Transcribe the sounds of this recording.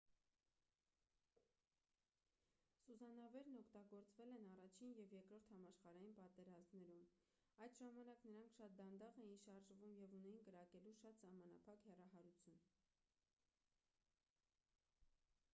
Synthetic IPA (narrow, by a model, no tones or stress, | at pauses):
suzɑnɑvɛɾnɔkʰt̪ɑɡɔɾt͡svɛlɛnɑrɑt͡ʃʰinjɛvjɛkɾɔɾt̪ʰhɑmɑʃχɑɾɑjinpɑt̪ɛɾɑzmnɛɾum | ɑjd̪ʒɑmɑnɑknəɾɑŋkʰʃɑt̪̚d̪ɑnd̪ɑʁɛjinʃɑɾʒvumjɛvunɛjinkəɾɑkɛluʃɑt̪sɑhmɑnɑ̰pʰɑkhɛrɑɦɑɾut͡sʰjun